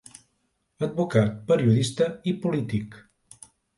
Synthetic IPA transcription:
əd̪̚bukat̪̚pəɾiuðist̪əipulit̪ik

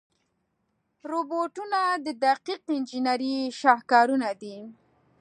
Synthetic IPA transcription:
ɾoboʈunad̪əd̪aqiqɪnd͡ʒinaɾiʃɑhkɑɾunad̪i

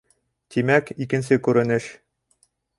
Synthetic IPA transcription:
t̪imækikɘ̆ns̬ɘkʉɾɘ̆nɘʃ

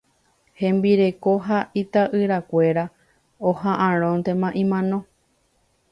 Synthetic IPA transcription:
hẽ̞mbiɾe̞ko̞ɦait̪aʔɨɾakʷe̞ɾa | ohãʔãɾ̃õnt̪e̞mãʔĩmãnõ

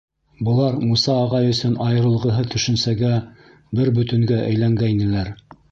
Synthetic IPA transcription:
bɤ̆lˠɑɾmusɑːʁɑjɵ̆sɵnɑjɤ̆ɾɤ̆lˠʁɤ̆ɦɤt̪ʰɵ̆ʃɵ̆nsæɡæ | bɘɾbɵ̆t̪ɵ̆ŋɡæʔæ̰jlæŋɡæjnɘ̆læɾ

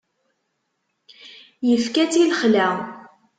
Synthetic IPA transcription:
jəfkæt͡silχlæ

